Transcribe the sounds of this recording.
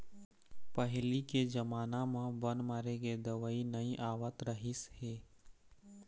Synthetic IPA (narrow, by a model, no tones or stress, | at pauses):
pəɦliked͡ʒəmaːnamãbənmaːɾeɡed̪əʋəinəĩʔaːwət̪ɾəɦɪsheː